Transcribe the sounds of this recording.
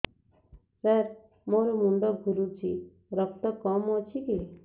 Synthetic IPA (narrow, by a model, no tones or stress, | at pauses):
səɾ | moɾɔmuɳɖɔkɡʱuɾut͡ʃʰi | ɾʌk̚t̪ɔkɔmɦɔt͡ʃʰiki